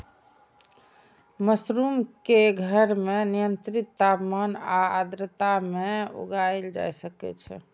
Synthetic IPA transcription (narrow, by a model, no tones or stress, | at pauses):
məsɾumkeɡʱəɾmenijənt̪ɾit̪ːapmanaa̰d̪ɾət̪ameo̰ɡaeld͡ʒa̰jsəkɛ̰t͡ʃʰɛ̰